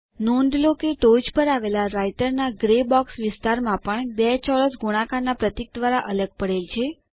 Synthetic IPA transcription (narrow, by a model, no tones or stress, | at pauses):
nõnɖ̪lokeʈod͡ʒpəɾaʋelaɾaiʈəɾnaɡɾebɔksʋɪst̪aɾmãpəɳbɛt͡ʃɔɾəsɡuɽ̃ãkanapɾət̪ik̚d̪ʋaɾaʔələɡ̚pəɽelt͡ʃʰe